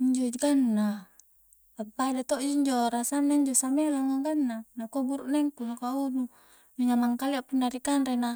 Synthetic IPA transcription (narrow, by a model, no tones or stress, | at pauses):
iɲd͡ʒod͡ʒɡanːa | abadat̪od͡ʒɲd͡ʒoɾasanːaɲd͡ʒosamelaŋaɡanːanakobuɾuʔneŋkunakaunu | d͡ʒoɲamaŋkaliaʔpunːaɾikanɾena